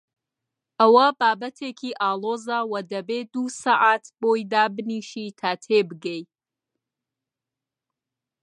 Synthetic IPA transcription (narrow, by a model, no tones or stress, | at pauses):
ʔɐwɐbaːbɐt̪ʰeːkʰiːʔaːlˠoːzawɐd̪ɐbeːd̪usaʔat̪b̥oːjd̪aːbɨniʃiːt̪ʰaːt̪ʰeːbɨɡej